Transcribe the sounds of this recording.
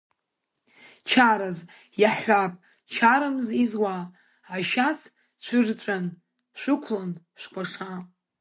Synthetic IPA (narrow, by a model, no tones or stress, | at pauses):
t͡ʃʰaɾaz | jaħːʷapʼ | t͡ʃʰaɾamzizwaː | ʃas | t͡ɕʷʰɨrt͡ʃʷʼan | ʃʷɨkʷʰlan | ʃʷkʷʰaʂa